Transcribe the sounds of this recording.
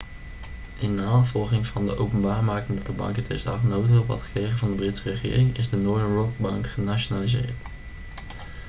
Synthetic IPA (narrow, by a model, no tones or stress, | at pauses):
ɪnːaːvɔlˠχɪŋvɑndəʔowpənbaːɹmaːkɪŋdɑtəbɑ̰ŋkətʰɛ̰stɑ̰χnowtɪlˠʋɑ̰tχə̥krejχənvɑndəbrɪtsərəχɪ̰ːrɪŋɪzdənɔɹənɹɔk̚bɑŋkχənaʃonaːlizɪ̰ːɹt